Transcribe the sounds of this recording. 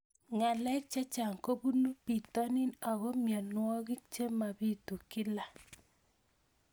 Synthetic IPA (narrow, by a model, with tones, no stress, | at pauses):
ŋa˨lɛ˦k̚t͡ʃe˦t͡ʃa˨ŋko˦bu˦nu˦pi˨tɔ˦nɪ˦na˨ɣɔ˦mjɔ˨nwɔ˦ɡɪ˦k̚t͡ʃe˦ma˨bi˦tu˨kɪ˦la˨